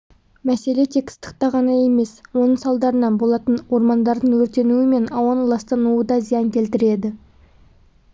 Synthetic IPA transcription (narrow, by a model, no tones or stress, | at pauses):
mæse̞le̞t̪ʰe̞kʲst̪ə̥qt̪ɑʁɑnɑje̞me̞swo̞nəɴsɑlˠd̪ɑɾənɑnbo̞lˠɑt̪ənwo̞ɾmɑnd̪ɑɾd̪əɴwɵɾt̪e̞nuwɪme̞nɑwɑnəlˠɑst̪ɑnuəd̪ɑzijɑŋkʲʰe̞lt̪ɪɾe̞d̪ɪ